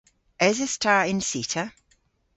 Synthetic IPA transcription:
ʔɛzɪstʰaːɪ̃nsiˑtʰə

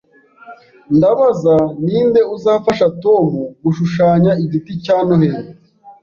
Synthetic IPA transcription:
ndaβazaniːnde̞uzaːfaʃato̞ːmuɡuʃuʃaːɲaiɟiticaːnoheɾo

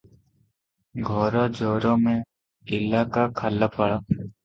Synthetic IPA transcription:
ɡʱɔːɾaːd͡ʒoːɾõːmẽ | ɪlːaːkakʰalːapʰəɽaː

